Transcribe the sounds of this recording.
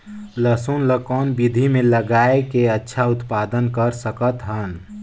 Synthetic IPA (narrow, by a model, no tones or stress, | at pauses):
ləsunləkɔːnbid̪ʱimẽləɡaːekeətːʃʰaʊt̪paːd̪ənkəɾsəkət̪ɦən